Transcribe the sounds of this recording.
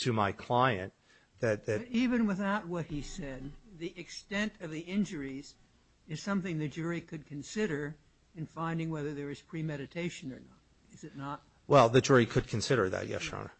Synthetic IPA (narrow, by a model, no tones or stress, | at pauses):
tʰɨmaɪkʰl̥aɪɨ̰̃n | ðɨt̪̚ðɨivɨ̃nwəθaʊt̚wʌt̚hisɛd̪̚ðiʔɨkstɛ̃ntʰʌvðiɪ̃nd͡ʒə˞iz̥ | ɨz̥sʌ̃mθɪ̃ŋðɨd͡ʒʊɹikʰɨd̚kʰɨ̃n̩sɪɾə˞ | ɨ̃nfãɪ̃ndɪ̃ŋwɛðə˞ðə˞ɨz̥pʰɹ̥imɛɾɨtʰeɪʃɨ̃nə˞nəɾ̚ | ɨzɨtⁿnət̚ | wɛlˠðɨd͡ʒʊɹikʰɨd̚kʰɨ̃n̩sɪɾə˞ðɨ̰t̚jɛ̰ʃɹɑ̰nə̰